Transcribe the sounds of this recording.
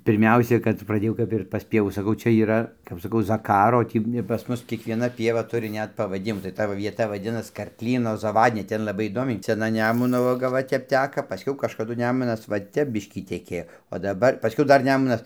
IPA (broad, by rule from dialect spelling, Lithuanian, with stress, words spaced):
pʲɪrʲˈmʲɛʊsʲɛ kɐt prɐˈdʲeːjɛʊ ˈkɐp ɪr pɐs ˈpʲiɛʋuː sɐˈkɐʊ ˈt͡ʃʲɛ iːˈrɐ kɐp sɐˈkɐʊ zɐˈkɑːroː oː ˈtʲiː pɐs ˈmʊs kʲiɛkʋʲiɛˈnɐ ˈpʲiɛʋɐ ˈtʊrʲɪ ˈnʲɛt pɐʋɐˈdʲɪmuː tɐɪ ˈtɐ ʋɐ ʋʲiɛˈtɐ ʋɐˈdʲɪnɐs kɐrkˈlʲiːnoː zɐˈʋɑːdʲnʲɛ ˈtʲɛn lˠɐˈbɐɪ iːˈdoːmʲɛɪ sʲɛˈnɐ ˈnʲæːmʊnoː ˈʋɑːɡɐ ˈʋɐ ˈtʲɛp ˈtʲæːkɐ pɐˈsʲkʲɛʊ kɐʃkɐˈdʊ ˈnʲæːmʊnɐs ʋɐ ˈtʲɛp ˈbʲɪʃʲkʲiː tʲɛˈkʲeːjoː oː dɐˈbɐr pɐˈsʲkʲɛʊ ˈdɐr ˈnʲæːmʊnɐs